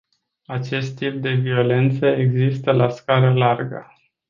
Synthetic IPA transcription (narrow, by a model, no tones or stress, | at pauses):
at͡ʃe̞st̪ːip̚d̪e̞vio̞le̞nt̪səeɡzist̪əlaskaɾəlarɡə̰